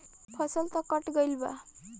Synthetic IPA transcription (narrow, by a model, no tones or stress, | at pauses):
pʰʌsəlt̪ʌkʌʈɡəjlba̰